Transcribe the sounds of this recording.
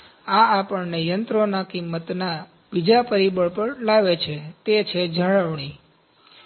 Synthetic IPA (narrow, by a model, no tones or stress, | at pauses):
aːpəɳnejənt̪ɾonakimːət̪na | bid͡ʒapəɾibəɭpəɳlaʋet͡ʃʰet̪et͡ʃʰed͡ʒəɭəʋɳ̃i